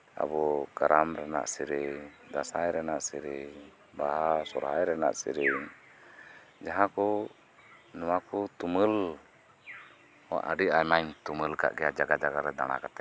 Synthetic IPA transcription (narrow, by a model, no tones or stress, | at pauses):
a̰bɔɡaɾamɾɛna̰ʔsiɾɛd̪asajɾɛnaʔsiɾɛ | baɦasɔɾɦajɾɛna̰ʔsḭɾɛ | d͡ʒaɦãkɔ | nɔwakɔt̪uməl | wa̰ʔəɖiajmaɲt̪uməlka̰ʔɡɛjad͡ʒaɡad͡ʒaɡaɾɛd̪aɽ̃a̰kat̪ɛ